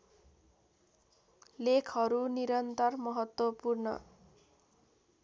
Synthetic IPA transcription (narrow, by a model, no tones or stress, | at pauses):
lekʰɦʌɾuniɾʌnt̪ʌrmʌɦʌt̪wʌpurnʌ̰